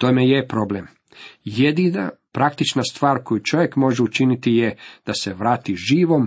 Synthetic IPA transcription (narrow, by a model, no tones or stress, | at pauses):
t̪omejepɾo̞blem | jed̪ina̰pɾakt̪it͡ʃnast̪ʋaːɾko̞jut͡ʃo̞ʋje̞kmo̞ʒeut͡ʃinit̪ijed̪̥ase̞ʋɾaːt̪iʒiːʋo̞m